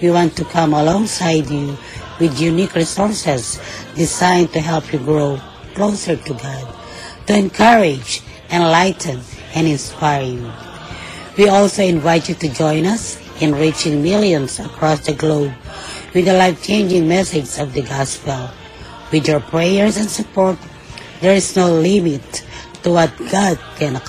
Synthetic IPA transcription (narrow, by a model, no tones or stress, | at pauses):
wiwɑ̃ntukʰʌ̃məlɔ̃ŋsaɪdju | wɪðjunikɹisɔɹsɨzdɪzãɪ̃ntuɦɛlˠpʰjuɡɹoʊ | kʰloʊsə˞tuɡɑd̚ | tuɛ̃nkʰʌɹɪd͡ʒ | ɨ̃nlaɪtnɨ̃nɪ̃nspaɪɹj | wiɔlˠsoʊɪ̃nvaɪtjut̪ud͡ʒɔ̃ɪ̃nʌs | ɨ̃nɹit͡ʃɪ̃ŋmɪlˠjɔ̃nsəkʰɹɔsd̪əɡloʊb̚wɨd̪əlaɪft͡ʃẽɪ̃nd͡ʒɪ̃ŋmɛsɪd͡ʒsɔvd̪əɡɑspɛlˠ | wɪdjɔɹpʰɹejəɹsɛ̃nsɨpɔɹt̪̚ | ðɛɹɪsnoʊlɪmɪtː | uwʌt̪̚ɡ̥ɑd̚kʰɛ̃n